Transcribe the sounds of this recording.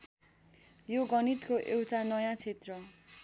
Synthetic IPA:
joɡʌnit̪koʔewʈʰanʌjãt͡sʰet̪rʌ

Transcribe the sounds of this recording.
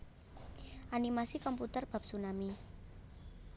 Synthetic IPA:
ʔanimasikɔmput̪ərb̥a̤p̚sunami

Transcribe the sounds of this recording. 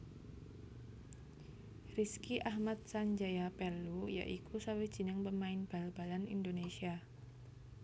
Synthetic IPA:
riskiʔahmat̪̚saɲd͡ʒajapɛrluja̰ʔikusawid̥ʒ̥ə̤nəŋpəmaɪnb̥a̤lb̥a̤lanḭndonesia

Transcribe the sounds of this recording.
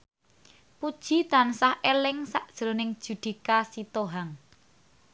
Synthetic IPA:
pud̥ʒ̥it̪ansahʔelɪŋsaʔd̥ʒ̥əɾonɪŋd̥ʒ̥ṳd̪̥i̤kasit̪oɦaŋ

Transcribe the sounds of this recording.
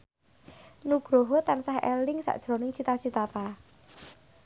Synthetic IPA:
nuɡ̥ɾoɦɔt̪ansahɛ̰lɪŋsa̰ʔd̥ʒ̥ɾonɪŋt͡ʃit̪at͡ʃit̪at̪a

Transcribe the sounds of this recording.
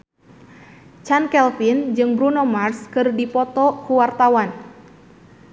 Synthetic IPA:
t͡ʃankɛlfind͡ʒɨŋbɾunomarskɨrdipɔt̪ɔkuwart̪awan

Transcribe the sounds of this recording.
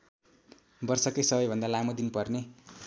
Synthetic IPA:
bʌrsʌkʌjsʌbʌjbʱʌnd̪alamod̪inpʌrne

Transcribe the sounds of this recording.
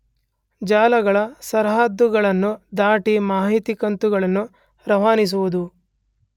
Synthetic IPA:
d͡ʒaːlɐɡɐɭɐsɐɾɦaːd̪ːuɡɐɭɐnːud̪aːʈimaːɦit̪ikɐnt̪uɡɐɭɐnːu | ɾɐʋaːnis̬uʋud̪u

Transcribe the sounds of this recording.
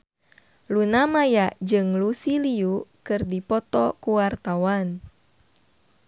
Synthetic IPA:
lunamajaʔd͡ʒɨŋlusiliukɨrdipɔt̪ɔkuwart̪awan

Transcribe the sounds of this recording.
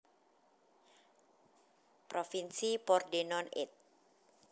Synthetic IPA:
pɾofinsipɔrdenɔnɪ̰t̪̚

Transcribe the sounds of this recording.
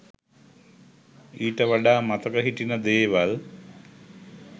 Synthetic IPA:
iːʈːɐʋɐɖamɐt̪ɐkɐɦiʈːinɐd̪eːʋɐl

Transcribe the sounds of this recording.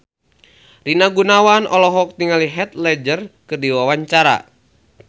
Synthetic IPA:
rinaɡunawanɔlɔɦɔk̚t̪iŋaliɦɛt̪̚lɛd͡ʒərkɨrdiwawaɲt͡ʃaɾa̰

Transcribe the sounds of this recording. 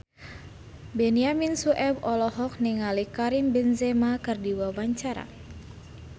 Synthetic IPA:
bɛniaminsuʔɛbɔlɔɦɔk̚niŋalikaɾimbɛnzemakɨrdiwawaɲt͡ʃaɾa̰

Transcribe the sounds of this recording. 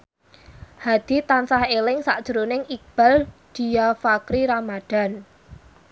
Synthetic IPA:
had̪̥i̤t̪ansahelɪŋsa̰ʔd̥ʒ̥əɾunɪŋik̚b̥a̤ld̪̥i̤jafakɾiɾamad̪̥a̤n

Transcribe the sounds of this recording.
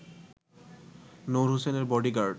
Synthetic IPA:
nowɹɦuseneɹbɔɖiɡaɹɖ

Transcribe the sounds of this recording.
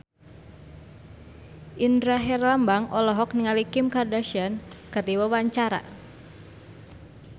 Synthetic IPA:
ʔindɾaɦɛrlambaŋɔlɔɦɔk̚niŋalikɪmkardaʃiankərdiwawaɲt͡ʃaɾa̰

